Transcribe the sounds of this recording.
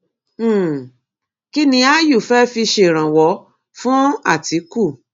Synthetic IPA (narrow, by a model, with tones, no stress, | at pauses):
ki˦nĩ˧a˦ju˦˨fɛ˦fi˧ʃe˧˨ɾ̃ã˨wɔ˨˦ | fũ˦a˦˨ti˨˦ku˦˨